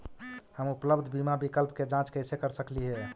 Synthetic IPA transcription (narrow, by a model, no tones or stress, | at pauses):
həmupləbd̪ʱbimabikəlpked͡ʒãt͡ʃkəɪsekəɾsəkliɦɛ